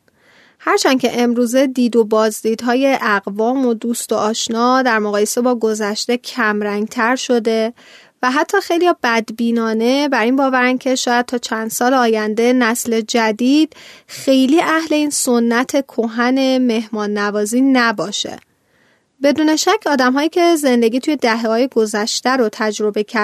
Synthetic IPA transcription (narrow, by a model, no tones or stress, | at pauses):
hæɾt͡ʃʰæncʰe̞ʔemɾuːze̞d̪iːd̪o̞bɒːzd̪iːd̪ɦɒːje̞ʔæɣvɒːmo̞d̪uːst̪o̞ʔɒːʃnɒːd̪æɾmoɣɒːje̞sebɒːɡo̞zæʃt̪e̞cʰæmɾæŋɡt̪ʰæɾʃo̞d̪e̞ | væɦæt̪ʰːɒːxe̞jlijɒːbæd̪biːnɒːne̞bæɾiːnbɒːvæɾæncʰe̞ʃɒːjæd̪̚t̪ʰɒːt͡ʃʰænd̪̥sɒːleɒːjænd̪e̞næsle̞d͡ʒæd̪iːd̪̥̚xe̞jliːʔæhle̞iːnso̞nːæt̪ʰe̞kʰoɦæne̞me̞hmɒːnːævɒːziːnæbɒːʃḛ | be̞d̪uːne̞ʃæcʰːɒːd̪æmɦɒːjiːcʰe̞ze̞nd̪e̞ɡiːt̪ʰuːje̞d̪æɦehɒːje̞ɡozæʃt̪æɾot̪ʰæd͡ʒɾo̞be̞cʰæɾ